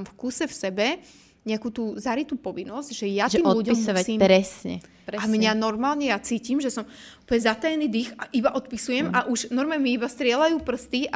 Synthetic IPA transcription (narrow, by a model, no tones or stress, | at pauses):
mfkusɛfsɛbɛ | ɲɛakuːt̪uːzaɾit̪uːpɔʋinːɔzcʒɛjat̪ʒɛiːmɔluɟɔimsɔasimɾɛsɲɛ̰ | pɾamɲanɔɾmaːlɲɛjat͡siːcimʒɛsɔm | upəɲɛzat̪ajɛniːd̪ixaʔibaʔɔt̪pisujɛmaʔuʒnɔɾmɛmiibast̪ɾɪɛlajuːpr̩st̪iʔa